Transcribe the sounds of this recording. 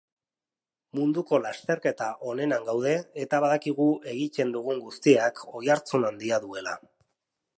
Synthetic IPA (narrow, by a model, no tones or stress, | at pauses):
mund̪uko̞last̪e̞ɾke̞t̪aʔo̞ne̞naŋɡawðe̞ːt̪aβ̞aðakiɣ̞uʔe̞ɣit͡ʃe̞nd̪uɣ̞uŋɡust̪iakʰo̞jaɾt͡sunand̪iaðue̞la̰